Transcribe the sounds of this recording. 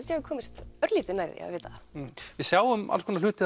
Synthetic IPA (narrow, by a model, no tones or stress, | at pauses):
ɛlt̪jakʰɔːmɪst̪œɾliːt̪ɪnaːjɾðɪ̰a̰veːt̪avɪðsjaːwʏma̰lskɔnalʏːt̪ɪ